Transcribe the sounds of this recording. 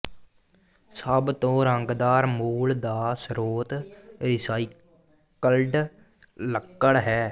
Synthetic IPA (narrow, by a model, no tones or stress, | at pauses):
səbt̪õːɾəŋɡd̪aːɾmuːld̪aːsɾoːt̪ɾɪsaːi | kəlɖ | ləkːəɽɦɛː